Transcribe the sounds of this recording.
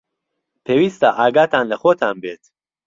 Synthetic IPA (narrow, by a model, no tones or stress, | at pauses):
pʰeːwiːst̪aːʔaːɡaːt̪ʰaːnləxoːt̪ʰaːnbeːt̪ʰ